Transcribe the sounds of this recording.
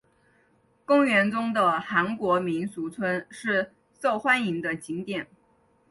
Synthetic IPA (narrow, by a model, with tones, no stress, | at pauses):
kʊ˥ŋɥɛ˧˥nt͡sʊ˥ŋd̪ə˨xa˧˥nkwɔ˧˥mi˧˥nsu˧˥t͡sʰwə˥nʂɻ̩˥˧ | so˥˩ʊxwa˥ni˧˥ŋd̪ə˧t͡ɕi˧˥ŋt̪jɛ˨˩˦n